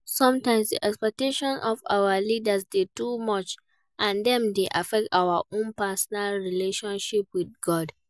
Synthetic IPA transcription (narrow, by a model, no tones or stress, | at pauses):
sɔ̃mtãɪ̃msdḭʔɛkspɛk̚teʃɔ̃nʔɔva̰wəlidasdedumɔt͡ʃ | ʔãndɛ̃mdeʔafɛk̚taʊaʔõnpasɔnalɹileʃɔ̃nʃipwidɡɔd